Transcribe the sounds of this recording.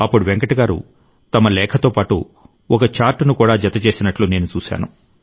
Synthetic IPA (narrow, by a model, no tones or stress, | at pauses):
ɐpːuɽuʋeŋkɐʈiɡaːɾṵ | t̪ɐmɐlɛːkʰɐt̪oːpaːʈṵ | ɔkɐt͡ʃaːɾʈnukuːɽaːd͡ʒɐt̪ɐt͡ʃe̞ːsinɐʈluːne̞ːnut͡ʃuːʃa̰ːnu